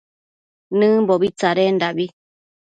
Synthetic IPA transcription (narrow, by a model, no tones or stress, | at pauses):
nɨ̃mboβit͡saɾendaβi